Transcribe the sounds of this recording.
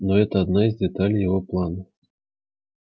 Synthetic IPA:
nɔɣɛt̪ɐːd̪naizʲd̪ɛt̪alʲjaɣɔplˠanɐ

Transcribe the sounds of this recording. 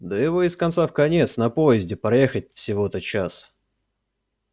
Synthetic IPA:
d̪əjɪvo̞ɪskɐnt̪safkɐnʲe̞t̪snɐpojɪzʲdʲɪpɾɐjexət̚ʲfsʲɪvo̞ɛt̪ət̪̚t͡ɕas

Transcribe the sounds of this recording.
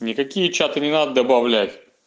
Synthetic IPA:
nʲɪkɐkʲijət͡ɕat̪ɨnʲɪnad̪əd̪əbɐvlʲætʲ

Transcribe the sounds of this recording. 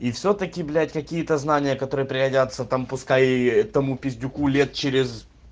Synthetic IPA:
ifsʲot̪əkʲɪblʲætʲkɐkʲijət̪əznanʲɪjəkɐt̪o̞ɾɨjəpɾʲɪɡɐdʲat̪sət̪ampʊskajt̪ɐmupʲɪzʲdʲʊkulʲet̪̚t͡ɕeɾʲɪz

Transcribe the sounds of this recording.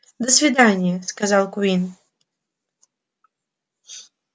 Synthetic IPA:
d̪əsʲvʲid̪anʲɪjɛskazalˠkuin

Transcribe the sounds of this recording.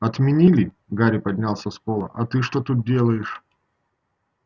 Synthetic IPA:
ɐt̪mʲɪnʲilʲɪ | ɡaɾʲɪpɐdʲnʲalˠsʲɐspo̞lˠə̰ʔɐt̪ɨʂt̪ot̪ut̪̚dʲe̞lˠəjɪʂ

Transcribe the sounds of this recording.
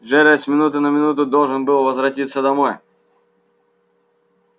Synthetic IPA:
ʐɛɾəsʲmʲɪnut̪ɨnəmʲɪnut̪ʊd̪o̞lˠʐɨnbɨlˠvəzvɾɐtʲit̪sːəd̪ɐmoj

